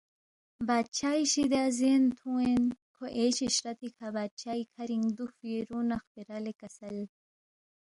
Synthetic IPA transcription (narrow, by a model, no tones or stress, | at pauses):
baːd̪̚t͡ɕʰaːiɕid̪aːzent̪ʰũenkʰoʔeːɕiɕɾɐt̪ʰikʰabaːd̪̚t͡ɕʰaːikʰɐɾiŋɡd̪ufiɾunɐxpiɾalekɐsɐl